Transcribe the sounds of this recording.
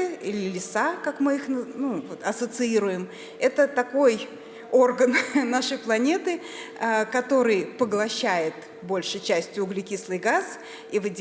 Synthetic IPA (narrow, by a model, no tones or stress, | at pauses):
ɨilʲɪlʲɪsakakmɨixnənuvot̪ɐsət̪sɨiɾʊjɪm | ɛt̪ət̪ɐko̞j | o̞rɡənnaʂɨjplˠɐnʲe̞t̪ɨ | əkɐt̪o̞ɾɨjpəɡlˠɐɕːæjɪt̪ | bo̞lʲʂɨjt͡ɕæsʲtʲjʊʊɡlʲɪkʲislˠɨjɡas | ivɨdʲ